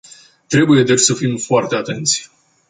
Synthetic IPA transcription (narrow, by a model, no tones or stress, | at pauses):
t̪ɾe̞buje̞d̪et͡ʃʲsəfimfoart̪e̞at̪e̞nt̪sʲ